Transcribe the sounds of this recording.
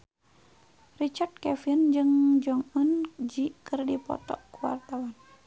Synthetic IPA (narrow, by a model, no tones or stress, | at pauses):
rit͡ʃard̪̚kɛfind͡ʒɨŋd͡ʒɔŋɔnd͡ʒiʔkɨrdipɔ̰t̪ɔ̰kuwa̰rt̪awan